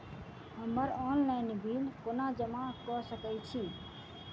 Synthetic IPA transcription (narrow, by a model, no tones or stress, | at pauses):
ɦəməɾɔːnlaɪnbʱiːlkoːnaːd͡ʒəmakɔsəkəjt͡ʃʰiː